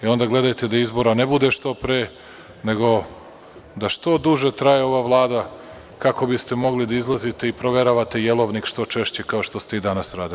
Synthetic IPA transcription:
eo̞nd̪aɡle̞d̪ajt̪e̞d̪aizbo̞ɾane̞bud̪e̞ʃt̪o̞pɾeː | ne̞ɡo̞ | d̪aʃt̪o̞d̪uʒet̪ɾajeo̞ʋaʋlˠaːd̪a | kako̞bist̪e̞mo̞ɡlid̪aizlˠazit̪e̞ipɾo̞ʋe̞ɾaʋat̪ejelo̞ʋnikʃt̪o̞t͡ʃe̞ʃt͡ɕe̞kao̞ʃt̪o̞st̪eid̪anasɾaːd̪ili

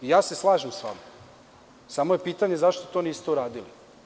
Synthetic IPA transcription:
ijaːse̞slˠaːʒemsʋa̰ma | samo̞je̞piːt̪aɲezaʃt̪ot̪o̞niːst̪euɾaːd̪ili

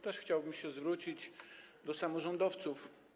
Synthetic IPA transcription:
t̪ɛʂxt͡ɕawbɘmɕɛzvɾut͡ɕid͡ʑd̪ɔsamɔʐɔnd̪ɔft̪suf

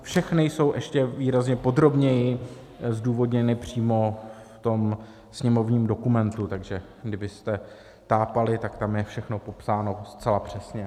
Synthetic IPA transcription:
fʃɛxnɪjso̞wʔɛʃcɛviːɾazɲɛpo̞d̪ɾo̞bɲɛjɪ | zduːvo̞dɲɛnɪpr̝̥iːmo̞ft̪o̞m | sɲɛmo̞vɲiːmdo̞kumɛnt̪ut̪aɡʒɛ | ɡdɪbɪst̪ɛ | t̪aːpalɪt̪akt̪amjɛfʃɛxno̞po̞psaːno̞st͡sɛlapr̝̥ɛsɲɛ

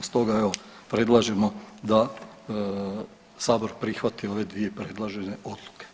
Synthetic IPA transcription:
st̪o̞ɡae̞ʋo | pɾe̞d̪lˠaʒe̞mo̞d̪a | saːbo̞ɾpɾixʋat̪io̞ʋe̞d̪ʋije̞pɾe̞d̪lˠaʒe̞ne̞ʔo̞d̪lˠuke̥

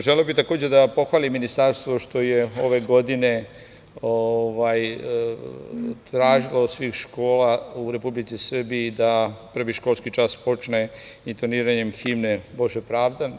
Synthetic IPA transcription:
ʒeleobit̪ako̞ːd͡ʑed̪apo̞xʋaːlimːinist̪aɾst̪ʋo̞ʃt̪o̞jeo̞ʋe̞ɡo̞d̪ine̞ | oʋaj | t̪ɾaːʒilosʋiːxʃko̞ːlauɾepublit̪sisrbiid̪apr̩ʋiʃko̞ːlskit͡ʃaspo̞t͡ʃneint̪oniːɾaɲemximneboʒepɾaːʋd̪a

